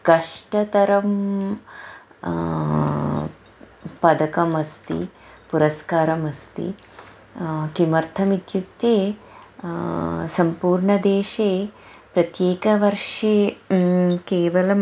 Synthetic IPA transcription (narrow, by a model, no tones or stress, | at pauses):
kɐʂʈɐt̪ɐɾɐm | pɐd̪ɐkɐmɐst̪ḭ | puɾɐskaːɾɐmɐst̪ḭ | kimɐɾt̪ʰɐmid̪jukt̪eː | sɐmpuːɾɳɐd̪eːʂeːpɾɐt̪jeːkɐʋɐɾʂeː | keːʋɐlɐm